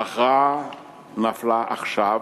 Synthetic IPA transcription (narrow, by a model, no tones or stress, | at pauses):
aχa | naflaʔaχʃa